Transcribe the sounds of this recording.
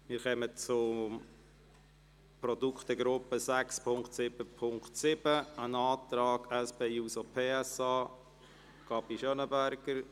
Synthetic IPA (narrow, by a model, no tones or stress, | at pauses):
mɪːɾxœmət͡sʊ | pɾɔd̪ukχt̪əɡɾʊpːəsækspʰʊŋktsɪb̥əpʰʊŋktsɪbəənɑːt̪ɾɑːɡ̥æspeːuːsopʰeːɛsɑː | kɑbiʃœnəbæɾɡ̥əɾ